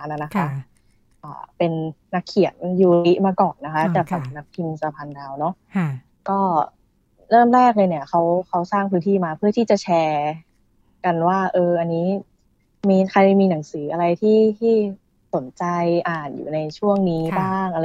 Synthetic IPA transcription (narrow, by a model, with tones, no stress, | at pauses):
na˨˧˩na˦˥kʰa˦˥ | ʔa̰ː˨˩pe˧nːa˦˥kʰːi˨˩˦ə˦nju˧i˦˥ʔmaː˧kɔː˨˩nːa˦˥kʰa˦˥t͡ɕɛː˨˩k̚sa˨˩m̚na˦˥k̚p̪ʰi˧nsa˧pʰa˧ndaː˧wnɔ˦˥ʔ | kɔː˥˩ | ɾɤː˥˩mɾɛː˥˩k̚lɤː˧ni˥˩ɐxa˦˥wkʰa˦˥wsaː˥˩ŋpʰɯː˦˥nt̪ʰiː˥˩maː˧pʰɯ˥˩ət̪ʰiː˥˩t͡ɕa˨˩t͡ɕʰɛː˧ | ka˧nwaː˥˩ʔɤː˧ʔa˧nːiː˦˥ | miː˧xʰa˧jmiː˧na˩˦ŋsɯː˩˦ʔa˧ɾa˧jt̪ʰiː˥˩t̪ʰiː˥˩ | so˩˦nt͡ɕa˧jʔaː˨˩njṵː˨˩na˧jt͡ɕʰu˥˩əŋniː˦˥baː˥˩ŋʔa˧